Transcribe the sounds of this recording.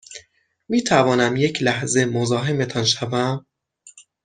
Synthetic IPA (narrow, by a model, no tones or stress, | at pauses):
miːt̪ʰævɒːnæmje̞cʰlæhze̞mozɒːɦeme̞t̪ʰɒnʃævæm